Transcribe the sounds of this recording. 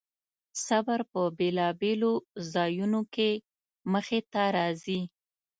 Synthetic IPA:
sabaɾpəbelɑbelozɑjunoke | məxet̪aɾɑzi

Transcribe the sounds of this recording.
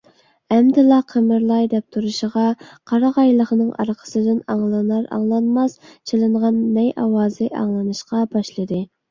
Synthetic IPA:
ɛmd̪ɪlˠɑqʰəmɨɾlˠɑjd̪ɛp̚t̪ʰuɾuʃəʁɑqʰɑɾɑʁɑjlˠəχnɨŋʔɑ̰ɾqʰə̥sɨd̪ɪnɑŋlˠɑnɑɾɑ̰ŋlˠɑnmɑst͡ʃʰelˠɨɴʁɑnːɛjʔɑwɑːzɨʔɑ̰ŋlˠɨnɨʃqɑbɑʃlˠɨd̪ɨ

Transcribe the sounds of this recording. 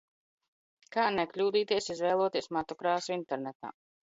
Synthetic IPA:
kaːneklʲuːd̪iːt̪iɛsizvɛːlˠoɔt̪iɛsmat̪ɔkɾaːsuint̪ɛɾnɛt̪a̰ː

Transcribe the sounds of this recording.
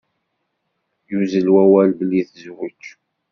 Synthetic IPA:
juzəlwæwælbəlːiθzwət͡ʃː

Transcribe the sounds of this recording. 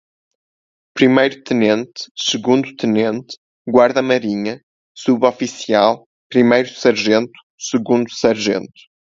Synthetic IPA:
pɾimejɾut̪ɨnẽnt̪sɨɣũnd̪ut̪ɨnẽnt̪ | ɡwaɾðɐmɐɾiɲɐ | suβɔfisialˠ | pɾimejɾusɐɾʒẽnt̪u̥sɨɣũnd̪usɐɾʒḛ̃nt̪u̥

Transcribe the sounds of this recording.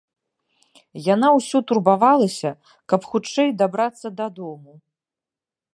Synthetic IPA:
janawsʲɔt̪urbavalˠɐsʲɐ | kɐpxut͡ʂɛjd̪abɾat̪sːɐd̪ad̪ɔmu

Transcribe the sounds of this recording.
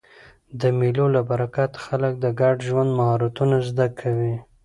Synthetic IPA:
d̪əmilolabaɾakat̪xalək̚d̪əɡaɖʒwand̪mahaɾat̪unazd̪akʰawi

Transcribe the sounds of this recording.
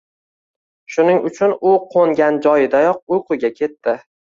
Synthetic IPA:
ʃʊnɪŋʊt͡ʃʰʊnʊqʰoŋɡʲand͡ʒɒjɪd̪ajɒq̚ʊjqʰʊɡʲakʲʰe̞t̪ːɪ

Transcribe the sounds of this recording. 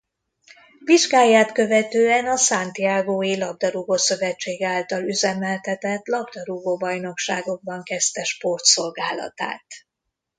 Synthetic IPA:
viʒɡaːjːaːt̪kø̞vɛt̪øːɛnɒsaːnt̪jaːɡoːilɒb̚d̪ɒɾuɡoːsø̞vɛt͡ʃːeːɡaːlt̪ɒlyzɛmɛlt̪ɛt̪ɛt̪lɒbd̪ɒɾuɡoːbɒjno̞kʃaːɡo̞ɡ̚bɒŋkɛst̪ɛʃpo̞rt̪so̞lɡaːlɒ̰t̪a̰ːt̪

